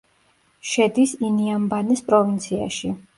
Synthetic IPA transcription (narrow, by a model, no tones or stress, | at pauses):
ʃɛd̪isiniambanispʼɾɔvint̪sʰia̰ʃi